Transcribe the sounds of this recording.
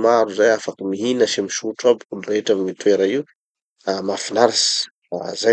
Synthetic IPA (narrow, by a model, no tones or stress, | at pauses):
maɾuzajafakəmiɦinaʃamiʃuʈ͡ʂabiulureeʈ͡ʂamimit̪ueɾaiu | amafinaɾisi̥ | aza